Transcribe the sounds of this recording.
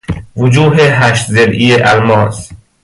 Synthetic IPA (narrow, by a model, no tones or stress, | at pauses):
vʊd͡ʒuːɦeɦæʃt̪zelʔiːeʔælmɒːs